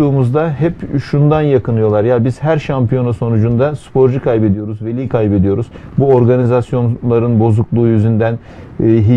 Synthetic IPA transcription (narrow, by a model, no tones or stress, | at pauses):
uːmuzd̪aɦɛpʃund̪anjakʰɯnɯjo̞lˠaɾjabizhæɾʃampijo̞naso̞nud͡ʒund̪aspʰo̞ɾd͡ʒukʰajbe̞d̪ijo̞ɾuzve̞lʲiːkʰajbe̞d̪ijo̞ɾuzbuo̞ɾɡanizasjo̞nlˠaɾɯnbo̞zuklˠuːjyzynd̪æn | ɦi